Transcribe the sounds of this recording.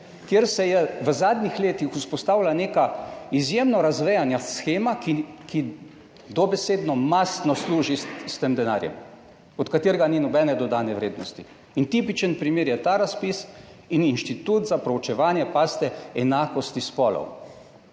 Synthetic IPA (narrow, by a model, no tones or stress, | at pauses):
kjeɾsɛjɛʋəzaːd̪nixleːt̪ixuspɔst̪aːwlaneːkaizjemnɔɾazʋɛjanjasxeːmakiki | d̪ɔbɛseːd̪nɔmast̪nɔsluːʒist̪emd̪ɛna̰ːɾjɛ̰m | ɔt̪kat̪eːɾɛɡaninɔbɛnɛd̪ɔd̪aːnɛʋɾeːd̪nɔst̪i | int̪ipit͡ʃənpɾimeːɾjɛt̪aːɾaspis | ininʃt̪it̪uːt̪zapɾɔwt͡ʃɛʋaːnjɛpaːst̪ɛɛnaːkɔst̪ispɔːlɔ̰w